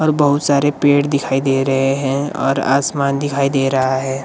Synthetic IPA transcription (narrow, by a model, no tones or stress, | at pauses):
ɔːɾbɐɦʊt̪saːɾepeːʈd̪ɪkʰaːid̪eːɾɐɦeɦɛ̃ɔ̰ːɾa̰ːsmaːnd̪ɪkʰaːid̪eːɾɐɦaɦɛː